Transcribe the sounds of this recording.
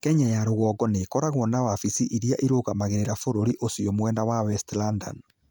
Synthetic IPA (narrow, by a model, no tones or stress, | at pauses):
kɛɲajaɾoɣɔːɡɔneːkɔɾaɣwɔnawafisiʔiɾiaʔiɾoːɣamaɣeɾeɾafoɾoɾiʔosiɔmwɛndawawɛstlanda̰n